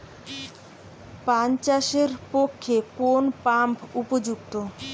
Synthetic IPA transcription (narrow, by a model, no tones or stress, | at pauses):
pant͡ɕaʃeɾpokʰːekonpampupod͡ʑuk̚t̪o